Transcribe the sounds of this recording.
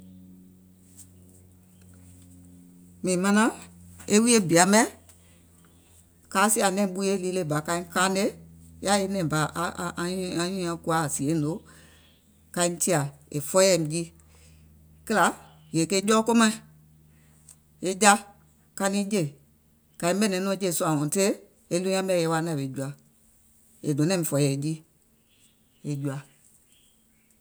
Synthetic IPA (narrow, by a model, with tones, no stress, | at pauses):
mĩː˨mã˧nã˦e˦wi˦e˦bi˨a˨mɛ˦ | kaː˨˦si˦a˨nɛ̃˦˨˦ɓu˦˧˦je˦liː˧˦le˧˨ba˨kã˧ĩ˦kaː˦ne˦ja˦e˦nɛ̃˨ba˨ʔa˧ʔʔã˧˦ɲũ˦ã˧˦ku˧a˨˦˨si˨e˨˦no˨˦ | kã˧ĩ˦ti˦a˨ḛ˨fɔ˦ɛ˧˨m˨d͡ʒi˦ | kə˦la˨˦ | je˨ke˧˦d͡ʒɔː˦ko˦mã˦i˨ | e˧d͡ʒa˦ | ka˧nĩ˦d͡ʒe˦˨ | kã˧ĩ˦ɓɛ˦˨nɛ̃˨˦nɔ̃˧˦d͡ʒe˦˨su˧˦ã˨ŋɔ̃˨te˦ | e˧˦lũ˦ɲã˧˦ɓɛ˦˧˨jɛ˧˦wa˧˦nã˧˨e˨˦d͡ʒu˧˦a˨ | e˨dɔ̃˨˦nɛ̃˦ĩ˨fɔ˧˦jɛ˨˦d͡ʒi˦ | e˨d͡ʒu˧a˨